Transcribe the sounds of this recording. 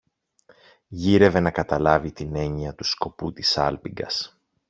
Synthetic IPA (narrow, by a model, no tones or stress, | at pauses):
ʝiɾe̞ve̞nɐkɐt̪ɐlɐvit̪ine̞ɲiɐt̪usko̞put̪isɐ̰lpiŋɡɐ̰s